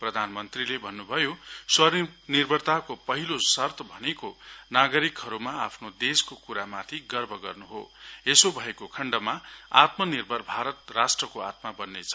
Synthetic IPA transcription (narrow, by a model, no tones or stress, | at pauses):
prʌd̪ʱanmʌnt̪rilebʱʌnːubʱʌjoswʌnirbʱʌrt̪akopʌɦilosʌrt̪ʌbʱʌnekonaɡʌɾikɦʌɾumaapʰnod̪eskokuɾamat̪ʰiɡʌrbʱʌɡʌ̰rnuɦo̰esobʱʌekokʰʌɳɖʌmaat̪mʌnirbʱʌrbʱaɾʌt̪̚rasʈrʌkoa̰t̪mabʌnːet͡sʰʌ